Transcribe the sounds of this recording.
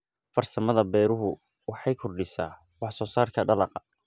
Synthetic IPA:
fɐrsɐmɐðɐbɛːɾʊɦʊ | wɑħɑjkʰʊrɖɪsa̰ː | wɑħsɔːsaːrkʰɐɖɐlɑqɐ

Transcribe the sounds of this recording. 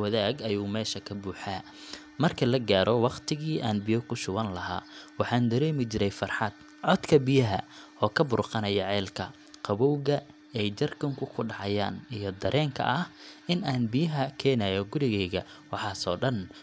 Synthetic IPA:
wɐðaːɡɐjuːmɛːʃɐkʰɐbuːħaː | mɐrkʰɐlɐɡaːɾʔɔwɑqt̪ʰɪɣiːʔaːnbɪjɔkʰʊʃʊβɐnlɐɦa̰ːwɑħɑːnd̪ɐɾɛːmɪt͡ʃɪɾɛjfɑrħɑd̪̥ | ʕɔd̪kʰɐbɪjɐɦɐ̰ɔːkʰɐbʊrqɑnɐjɐʕɛːlkʰɐ | qɑβɔwɣɐ | ɛjd͡ʒɐrkʰʊŋkʰʊkʰʊɖɑʕɑja̰ːnijɞd̪ɐɾʔɛːŋkʰɐ̰ʔɐhɪnaːnbɪjɐɦɐkʰɛːnɐjɔɡʊɾɪɣɛːɣɐ | wɑħɑːsɔːɖɐn

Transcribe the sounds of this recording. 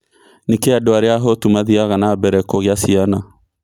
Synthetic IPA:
nekeadoaɾeaɦotumaðiaɣanabɛɾɛkɔɣeasiana

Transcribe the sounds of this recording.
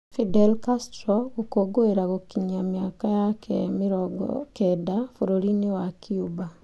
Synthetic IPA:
fidɛlkastɾɔɣokoɡoeɾaɣokiɲamjakajakʰɛmiɾɔɡɔ̰kɛdafoɾoɾinewakʰiuba

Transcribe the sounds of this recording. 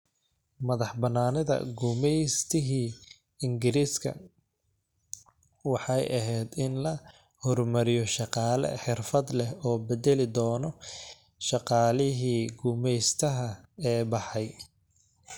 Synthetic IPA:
mɐðɑħbɐnaːnɐðɐ̰ɡʊmɛjst̪ʰɪɦiː | ɪŋɡɪɾiːskʰɐ̰ | wɑħɑjʔɐɦɛjd̪ɪnlɐ | hɔrmɐɾɪjɔʃɑqɑːlɐ̰ħɪrfɐd̪lɛhɔːbɛd̪ɛlɪd̪ɔːnɔ | ʃɑqɑːlɪɦiːɡʊmɛjst̪ʰɐɦɐɛːbɑħɑj

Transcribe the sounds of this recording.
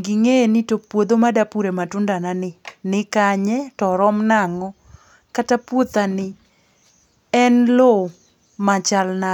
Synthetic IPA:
ɡɪŋenɪtopwod̪omadapuɾematʊndananɪnɪkaɲɛtɔɾɔmnaŋɔ | katapwot̪anɪ | ɛnlo | mat͡ʃalna

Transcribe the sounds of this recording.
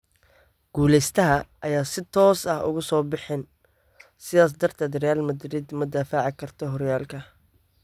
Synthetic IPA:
ɡ̥uːlɛjst̪ʰɐɦɐʔɐjaːsɪt̪ʰɔːsɐhʊ̰ɣʊsɔːbɪħɪn | sɪðaːs̬d̪ɐrt̪ʰaːd̪rɛjaːlmɐd̪ɾɪd̪mʊd̪aːfaʕɪkʰɐrt̪ʰɔɦɔɾjaːlkʰɐ

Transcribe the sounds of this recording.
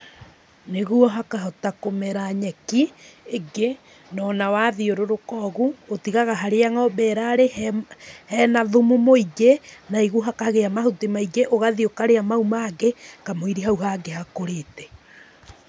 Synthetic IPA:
neɣuɔɦakaɦɔtakomɛɾaɲɛkiːɡe | nɔnawaðioɾoɾokɔːɣuotiɣaɣaɦaɾeaŋaobɛːɾaɾehhɛnaðumumoiɡenaiɣuɦakaɣeamahotemaiɡeʔoɣaðiokaɾeamaumaɡekamoiɾiɦauɦaɡeɦakoɾeːtɛ̥

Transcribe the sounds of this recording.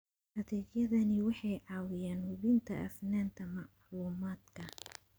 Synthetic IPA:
hɐðɛːɡjɐðɐnɪwɑħɑjʕɑːwɪjaːnhʊβɪnt̪ʰɐʔɐ̰fnaːnt̪ʰɐmɑʕ | luːmaːd̪kʰɐ

